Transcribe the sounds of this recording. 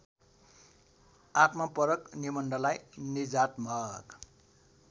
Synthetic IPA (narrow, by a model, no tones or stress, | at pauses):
at̪mapʌɾʌknimʌnɖʌlajnid͡zat̪mʌk